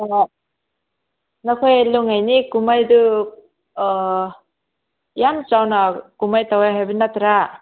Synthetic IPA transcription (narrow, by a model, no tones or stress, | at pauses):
nakʰɔjluŋajnikumajd̪u | jamt͡ʃawnakumajt̪awajɦabinat̪ɾa